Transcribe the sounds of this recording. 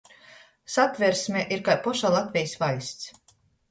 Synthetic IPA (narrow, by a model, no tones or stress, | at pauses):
sat̪vʲɛɾsʲmʲɛʔiɾkajpɔʃaːlˠat̪ʲvʲɛjsvalʲsʲt̪s